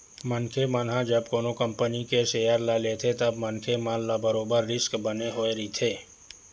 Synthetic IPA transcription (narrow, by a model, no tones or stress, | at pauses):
mənkʰemənɦãd͡ʒəbkoːnokə̃mpənikeʃeːjəɾlalet̪ʰet̪ɐbmənkʰemallabəɾoːbəɾːɪskbəneɦoːeɾit̪ʰeː